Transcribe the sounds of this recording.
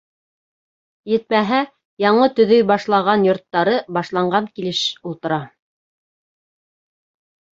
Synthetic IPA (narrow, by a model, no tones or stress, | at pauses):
jɘ̆t̪̚mæɦæ | jɑɴɤt̪ɵ̆ðɵjbɑʃlˠɑʁɑnjŏɾt̪ːɑɾɤbɑʃlˠɑɴɢɑŋkilɘʃulˠt̪ɤ̆ɾɑ